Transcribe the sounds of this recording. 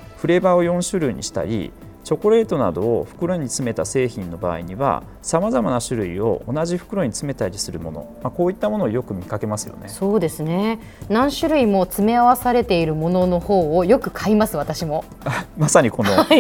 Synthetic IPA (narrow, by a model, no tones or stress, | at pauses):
ɸɯ̟ɾe̞bao̞jõ̞ɰ̃ɕɨɾɯ̟iɲ̟ḭɕi̥t̪a̰ɾʲḭ | t͡ɕo̞koɾe̞ːt̪o̞na̰d̪o̞ːɸɯ̥kɯ̟ɾo̞ɲ̟it͡sɨme̞t̪ase̞ːçĩnːo̞ba̰ːiɲ̟iβa̰ | samazamanaɕɨɾɯ̟ḭo̞̰onaʑiɸɯ̟̥kɯ̟ɾo̞ɲ̟it͡sɨme̞t̪aɾʲisɨɾɯ̟mo̞no̰mako̞ːit̪ːamo̞noːjo̞kɯ̟mʲikake̞masɨjo̞̰neso̞ːd̪e̞sɨne̞ | nãɰ̃ɕɨɾɯ̟imo̞t͡sɨme̞aβasaɾe̞t̪e̞iɾɯ̟mo̞no̞no̞ho̞ːjo̞kɯ̟kʰaimasɨβat̪aɕimo̞ | amasaɲ̟iko̞no